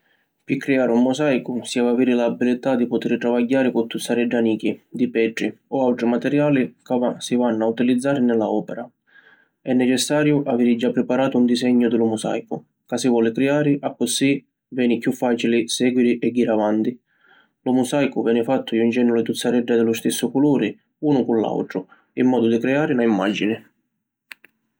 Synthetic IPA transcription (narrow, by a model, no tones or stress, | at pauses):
pɪkːɾɛaːɾɪumːʊsajkʊsiavaviːɾɪlabilɪt̪ad̪ipʊt̪ɪɾt̪ɾavaɟːaːɾɪkʊt̪ːut̪sːaɾɛɖːaniːk̟id̪ipɛʈːɾiɔawʈ̪ɾimat̪ɛɾjaːlikavasivanːʊaut̪ilid̪zːaːɾɪnɛla̰ɔːpɛɾa | ɛnːɛt͡ʃɛsːaːɾjʊʔaviːɾɪd͡ʒapːɾɪpaɾaːt̪ʊund̪isɛɲːʊd̪ɪlʊmʊsa̰jkʊ | kasivɔːlɪkɾɛaːɾɪʔakːʊsːi | vɛːnikjufːaːt͡ʃilɪsɛːɡwiɾiʔɛɡːiːɾavant̪i | lʊmusajkʊvɛːnɪfat̪ːʊjund͡ʒɛnːʊlɪt̪ut̪sːaɾɛɖːad̪ɪlʊst̪ɪsːʊkuluːɾɪ | uːnʊkunla̰wʈ̪ɾʊ | imːɔːd̪ʊd̪ikɾɛaːɾɪlaimːa̰d͡ʒinɪ